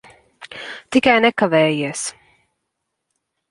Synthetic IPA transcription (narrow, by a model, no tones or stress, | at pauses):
t̪ikajnɛkavɛːjiɛs